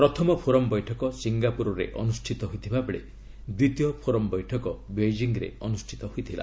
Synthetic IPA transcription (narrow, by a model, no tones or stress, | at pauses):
pɾɔt̪ʰɔmɔpʰoɾɔmbɔjʈʰɔkɔsiŋɡapuɾɔɾḛʔɔnusʈʰit̪ɔɦujt̪ʰibabɔɽe | d̪wit̪ijɔpʰoɾɔmbɔjʈʰɔkɔbed͡ʒiŋɾḛɔnusʈʰi̥t̪ɔɦujt̪ʰila̰